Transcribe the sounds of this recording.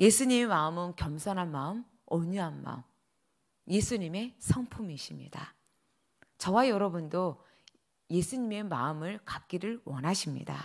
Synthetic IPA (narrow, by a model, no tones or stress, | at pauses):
je̞sʰuɲime̞maɯmɯnkjʌmsʰʌnɦanmaɯm | ʌɲuɦanma̰ɯm | je̞sʰuɲime̞sʰʌŋpʰumiɕʰimɲḭda̰ | t͡ɕʌwajʌɾʌbundo | je̞sʰuɲime̞ma̰ɯmɯɭkak̚k͈iɾɯɭwʌnɦaɕʰimɲḭda̰